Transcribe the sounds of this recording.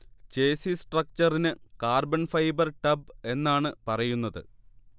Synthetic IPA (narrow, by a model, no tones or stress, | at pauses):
t͡ɕe̞ːsisʈrɐk̚t͡ɕɐrinɨkaːrbɐnfɐjbɐrʈɐbe̞nːaːɳɨpɐrɐjunːɐðɨ̰